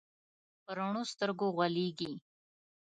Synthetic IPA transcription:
pəɾaɳost̪əɾɡoɣwaleɡi

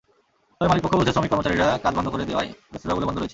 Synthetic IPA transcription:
ɔemalik̚pokʰːobud̪ʱesɾomikːɔɾmot͡ɕaɾiɾakad͡ʑbɔnd̪okoɾed̪ea̰jbɾeseɾabolebɔnd̪ʱoɾojet͡ɕʰi

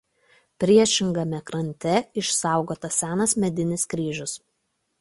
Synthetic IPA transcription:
pʲɾʲiɛʃʲɪŋɡɐmʲɛkɾɐnʲˑt̪ʲɛɪʃsɑˑʊɡoːt̪ɐsʲæːnɐsmʲɛd̪ʲɪnʲɪskɾʲiːʒʲʊs

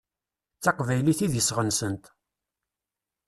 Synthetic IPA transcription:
t͡sːɑqvæjliθiðjəsʁənsənt̪

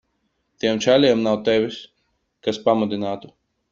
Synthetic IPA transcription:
t̪iɛmt͡ʃælʲiɛmnawt̪ɛvʲis | kaspamud̪inaːt̪u

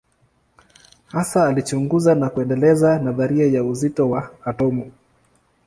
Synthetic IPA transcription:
hasaːlit͡ʃuŋɡuzanakuɛndɛlɛzanaðaɾiajauzitɔwaːtɔmu

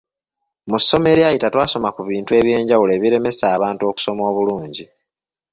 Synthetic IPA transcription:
musːo̞me̞ɾiajitatwaːso̞makuβiːntue̞βje̞ːɲɟawule̞ːβiɾe̞me̞saːβaːntuo̞ku̥so̞mo̞ːβuluːɲɟi

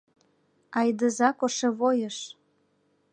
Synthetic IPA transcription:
ɑjd̪əzɑkoʃeβojəʃ

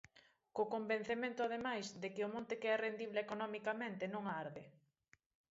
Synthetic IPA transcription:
kokomben̟θemẽnt̪ʊaðemajsd̪ekɪʊmõnt̪ekeɛrend̪iβleekonɔmikamẽnt̪ɪnõŋaaɾðɪ

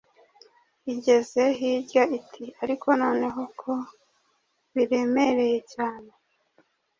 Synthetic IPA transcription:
iɟe̞ze̞ɦiːɟaitʰiaɾiko̞no̞ːne̞ɦo̞kʰo | βiɾe̞me̞ɾe̞je̞caːne̞

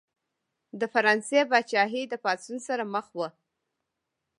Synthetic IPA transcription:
d̪əfaɾɑnsebat͡ʃɑɦid̪əpɑsunsaɾaməxwə

